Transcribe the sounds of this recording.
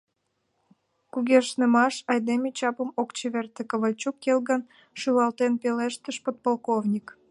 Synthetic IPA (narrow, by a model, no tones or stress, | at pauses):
kuɣʲeʃnemɑʃɑjd̪emet͡ɕɑpəmokt͡ɕeβert̪ekəβəlʲt͡ɕukːelɣən | ʃylɑlt̪enpeleʃt̪əʃpot̪̚polˠkovnʲik